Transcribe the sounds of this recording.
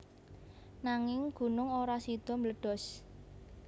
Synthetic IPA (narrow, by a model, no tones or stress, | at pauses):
naŋɪŋɡ̥ṳnʊŋoɾasid̪̥ɔ̤mləɖ̥ɔ̤s